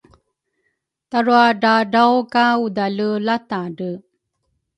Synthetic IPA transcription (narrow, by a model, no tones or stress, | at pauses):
taɾuaɖaɖawkaudalulataɖə